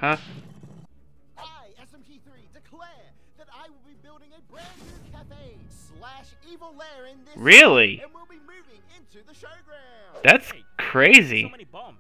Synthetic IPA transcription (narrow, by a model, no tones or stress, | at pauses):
hʌ | aɪɛ̃miθɹidɨkʰl̥ɛɹ | ðɨɾaɪwəlˠbibɪlˠɾɪ̃ŋɨbɹæə˞kʰæfeɪslæʃ | ivl̩ˠlɛ˞ɪ̃nɹɪlˠĩnwilˠbimʉvɪ̃ŋɪ̃ntʉðəoɡɹæ | ðætskʰɹ̥eɪzḭibʌ